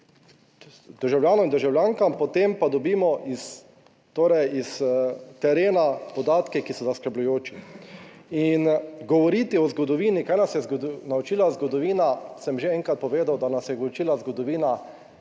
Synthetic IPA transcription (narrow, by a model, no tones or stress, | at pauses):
d̪̥əɾʒawljaːnɔmind̪əɾʒawlʲjaːŋkampɔt̪empad̪ɔbiːmɔʔis | t̪oːɾɛjist̪ɛɾeːnapɔd̪aːt̪kɛkisɔzaskəɾblʊjoːt͡ʃi | inɡɔʋɔɾiːt̪iɔzɡɔd̪ɔʋiːnikaːjnasjɛzɡnaut͡ʃiːlazɡɔd̪ɔʋiːnasɛmʒeɛŋkat̪̚pɔʋeːd̪awd̪anasjɛɡot͡ʃiːlazɡɔd̪ɔʋiːna